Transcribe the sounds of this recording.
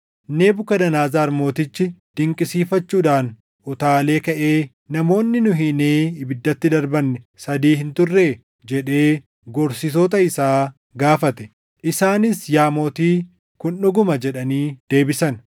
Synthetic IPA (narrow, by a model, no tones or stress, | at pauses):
ne̞ːbʊkɐd̪ɐnaːzaːɾmo̞ːt̪ɪt͡ʃːɪd̪̥ɪŋkʼɪsiːfɐt͡ʃːuːᶑaːn | ʔɔt̪aːle̞ːkɐʔe̞ː | nɐmo̞ːnːɪnʊɦɪneːɪbɪd̪ːɐt̪ːɪd̪ɐɾbɐnːɛsɐd̪iːhɪnt̪ʊrːeː | d͡ʒɛᶑe̞ː | ɡɔɾsɪt̪oːt̪ɐɪsaː | ɡaːfɐt̪ɛ̥ | ʔɪsaːnɪsjaːmo̞ːt̪iː | kʊnːʊɡʊmɐd͡ʒɛᶑɐniːd̪̥e̞ːbɪsɐn